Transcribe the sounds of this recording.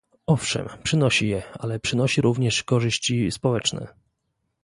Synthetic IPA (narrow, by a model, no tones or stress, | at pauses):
ɔfʂɛ̰mpʂɘnɔɕijɛalɛpʂɘnɔɕiɾuvɲɛʂkɔʐɘɕt͡ɕispɔwɛt͡ʂnɛ̰